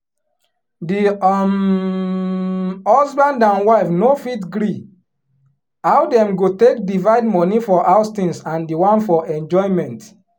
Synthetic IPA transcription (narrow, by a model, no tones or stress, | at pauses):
di | hɔsbãndãnwaɪfnofitɡɾi | awdɛ̃mɡotek̚divaɪdmɔnifɔʔawstĩnsãndiwãnfɔʔɛ̃nd͡ʒɔjmɛ̃nt